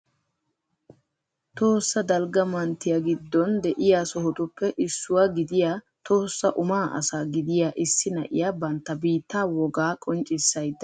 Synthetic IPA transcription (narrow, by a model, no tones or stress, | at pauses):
t̪oːsːɐd̪ɐlɡɐmɐnt̪ːɪjaɡɪd̪ːɔnd̪ɛʔɪjasɔɦɔt̪ʊpːɛʔɪsːʊwaɡɪd̪ɪjaː | t̪ʰo̞ːsːɐʔʊmaːʔɐ̰saːɡɪd̪ɪjaːʔɪsːɪnɐ̰ʔɪ̰jaːbɐnt̪ːɐbiːt̪ːaːwɔɡaːkʼɔnt͡ʃʼɪsːɐjd̪ːɐ